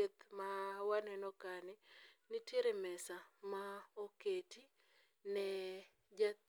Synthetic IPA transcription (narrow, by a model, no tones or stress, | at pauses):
et̪mawanɛnɔkanɪnɪteɾemɛsamaoketi | nɛ | d͡ʒa